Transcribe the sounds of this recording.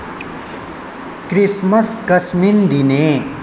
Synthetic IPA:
kɾismɐskɐsmind̪ine

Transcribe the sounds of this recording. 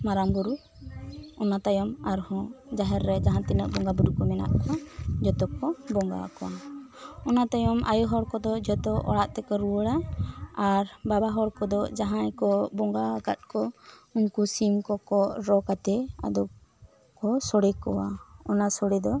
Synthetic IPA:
maɾambuɾu | ɔnat̪ajɔmaɾhɔ̃d͡ʒaɦɛɾːɛd͡ʒaɦãt̪inəʔbɔŋɡabuɾukɔmɛna̰ʔkɔd͡ʒɔt̪ɔkːɔbɔŋɡa̰kɔwa | ɔnat̪ajɔma̰jɔɦɔɽkɔd̪ɔd͡ʒɔt̪ɔɔ̰ɽaʔt̪ɛkɔɾuəɽaaɾbabaɦɔɽkɔd̪ɔd͡ʒaɦãjkɔbɔŋɡakat̪̚kɔuɲkusimkɔkɔɾɔkat̪ɛa̰d̪ɔp̚ | kɔsɔɽɛkɔwa̰ɔnasɔɽɛd̪ɔ

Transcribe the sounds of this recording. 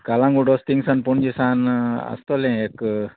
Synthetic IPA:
kalãŋɡuɖost̪iŋsanpuɳd͡ʒisana̰st̪olẽek

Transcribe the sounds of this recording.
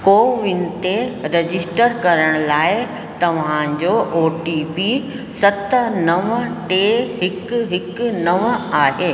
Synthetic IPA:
koːʋɪnɪ̆t̪eɾed͡ʑɪsʈəɾkɐɾəɽ̃ʊlaːɪ | t̪ɐʋ̤ãɲd͡ʑoʔoːʈipi | sɐt̪nɐʋəʈeɦɪkɦɪknɐʋaːɦeː

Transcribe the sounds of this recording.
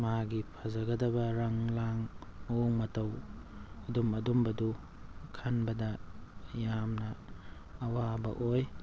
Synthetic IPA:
maaɡipʰɐzɐɡɐdɐbɐɾɐŋlaŋoŋmɐtɐw | ɐdumɐdumbɐdu | kʰanbɐdɐjamnɐː | wabɐ̰koj

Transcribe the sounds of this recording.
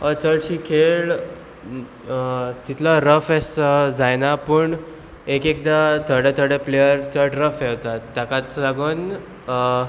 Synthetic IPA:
ət͡səɭɕiːkʰeɭ | t̪it̪ʰlaɾəfɛsəd͡zajnapəːɳ | ekek̚d̪at̪ʰəɽet̪ʰəɽeplejəɾt͡səʈɾəfewt̪at̪ːakat̪laɡuːn

